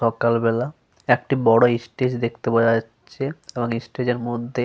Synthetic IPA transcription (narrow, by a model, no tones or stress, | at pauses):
ɔkalbɛla | ek̚ʈibɔɽoisʈed͡ʑd̪ek̚t̪epoaaːɕʰeeboŋisʈed͡ʑeɾmod̪ʱːe